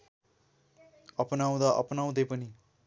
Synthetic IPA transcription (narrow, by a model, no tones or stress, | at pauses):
ʌpnaw̃d̪ʌʔʌ̰pnaw̃d̪ʌjpʌni